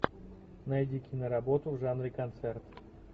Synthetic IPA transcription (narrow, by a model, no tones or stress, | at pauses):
nɐjdʲikʲɪnəɾɐbot̪ʊvʐanɾʲɪkɐnt̪sɛrt̪